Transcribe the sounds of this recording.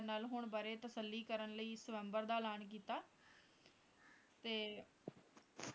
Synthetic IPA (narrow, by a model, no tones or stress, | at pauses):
naːlɦʊɳbaːɾeːt̪əsəlːiːkəɾənləiːsɪʋɛ̃ːmbəɾd̪aːlaːnk̬iːt̪aː | t̪eː